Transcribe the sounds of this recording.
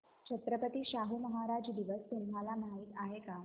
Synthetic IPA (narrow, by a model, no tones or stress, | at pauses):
t͡ɕʰət̪ɾəpət̪iːɕaɦuməɦaɾad͡ʑd̪iʋəst̪und̪ʱalamaɦit̪aɦeka